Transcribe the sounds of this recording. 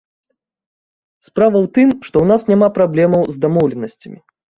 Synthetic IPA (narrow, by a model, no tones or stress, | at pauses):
spɾavɐwt̪ɨmʂt̪ɔwnasnʲamapɾablʲɛmɐwzd̪amɔwlʲɛnɐsʲt͡sʲɐmʲi